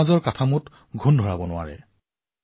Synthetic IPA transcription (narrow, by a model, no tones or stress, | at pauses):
azɔɹkatʰamut | ɡʱundʱɔɹabɔnʊwa̰ɹɛ̰